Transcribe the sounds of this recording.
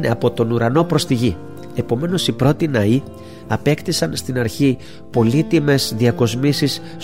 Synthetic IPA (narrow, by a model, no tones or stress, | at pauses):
neɐpo̞t̪o̞nuɾɐno̞pɾo̞st̪iʝi | e̞po̞me̞no̞sipɾo̞t̪inɐi | ɐpe̞kt̪isɐnst̪inɐɾçi | po̞lit̪ime̞zðiɐko̞zmisis